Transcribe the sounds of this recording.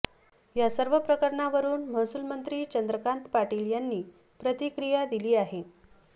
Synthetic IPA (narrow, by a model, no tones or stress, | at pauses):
jasəɾʋəpɾəkəɾɳaʋəɾuːnməsulmənt̪ɾiːt͡ɕənd̪ɾəkãnt̪paʈiljanːiː | pɾət̪ikɾijad̪iliːaɦe